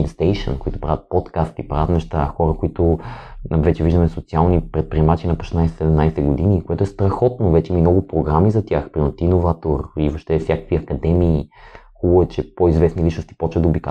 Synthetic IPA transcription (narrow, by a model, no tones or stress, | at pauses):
nst̪ɛjʃə̰nkoit̪ʊpɾavʲət̪̚pɔt̪kast̪ipɾavət̪nɛʃt̪axɔɾəkoit̪ʊ | vɛt͡ʃɛviʒd̪əmɛsot̪sialˠnipɾɛt̪̚pɾiɛmat͡ʃinɐpo̥ʃɛ̥snajsɛ̥sɛd̪ɛmnajsɛɡod̪inikoɛt̪ʊɛst̪ɾɐxɔt̪novɛt͡ʃɛimimnɔɡʊpɾoɡɾamizɐt̪ʲjaxpɾimot̪inovat̪oɾivoʃt̪ɛfsʲjakə̥kviɐkɐd̪ɛmiːxubʊɛt͡ʃɛpoizvɛsnilit͡ʃnost̪i̥pɔt͡ʃvəd̪əobika